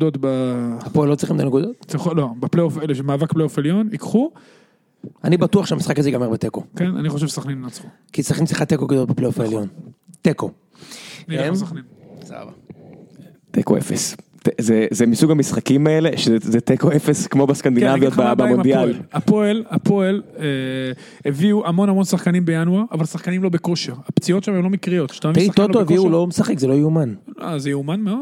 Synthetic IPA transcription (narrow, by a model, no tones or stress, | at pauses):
d̪ot̪bahapoelːot͡sʁiχimt̪anekud̪ot̪t͡siχlobepleofeleʃemaːvakpleofeljonikχu | anibat̪uaχʃeamisχakazeɡameʁbet̪ekokena̰niχoʃevʃesaχninat͡so | kit͡sʁiχinmsliχat̪ːekokud̪ot̪̚bepleofeljont̪eko | nsaχnin | sa̰va | t̪ekoḛfest̪ezezemisuɡamisχakimaele̞ʃezezet̪ekoefeskmo̞beskand̪inavijo̞tbabamond̪jalapoelapʰo̞ele | eviuʔamo̞namo̞nsaχkanimbejanuaavalsaχkanimlo̞be̞ko̞ʃeʁapt͡sio̞tʃamemlo̞mikʁijo̞t̪ʃtasiktoalotoeviiulomesaχekzelojiumano̰zejuumanmeod